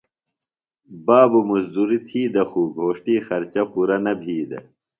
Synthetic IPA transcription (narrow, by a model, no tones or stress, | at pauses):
baːbumuzd̪uɾit̪ʰiːd̪ɐxuɡʱoːʂʈiːxɐɾt͡ɕɐpuɾɐnɐbʱiːd̪ɐ̰